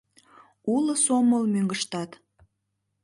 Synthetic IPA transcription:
uləsoməlmøŋɡəʃt̪ɑt̪

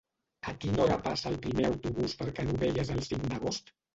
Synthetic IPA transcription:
əkinɔɾəpasəːlˠpɾimeəwt̪uβuspəɾkɛnuβeʎəzəlˠsiŋd̪əɣ̞ost̪

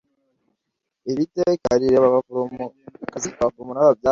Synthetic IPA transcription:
eɾiteka̰ɾiɾeβ | kakaβafuɾumunaβabja

